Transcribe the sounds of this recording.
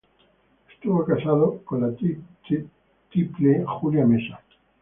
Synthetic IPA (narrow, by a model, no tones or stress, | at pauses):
e̥st̪uβokasaðokonla | t̪iplexuljamesa